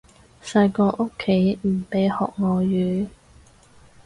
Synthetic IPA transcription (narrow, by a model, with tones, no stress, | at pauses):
sɐ˧jkɔː˧ʔo˥kʰːe˨˥jm̩˨˩pe˨˥jhɔ̰ː˨k̚ŋɔː˨jyː˨˥